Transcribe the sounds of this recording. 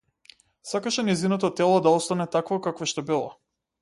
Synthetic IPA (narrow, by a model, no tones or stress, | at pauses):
sakaʃɛnɛjzinat̪at̪ːɛlˠɔd̪aɔst̪anɛt̪akvakakvaʃt̪ɔbilˠa̰